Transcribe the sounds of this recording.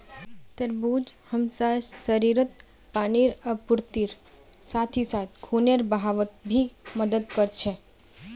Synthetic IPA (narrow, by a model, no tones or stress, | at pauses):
t̪eɾbud͡ʒhəmsasəɾiɾət̪ | paniɾəpʊɾt̪iɾ | sat̪ʰisat̪ʰkʰuneɾbəɦaʋət̪̚bʱiməd̪əd̪kəɾt͡ʃʰe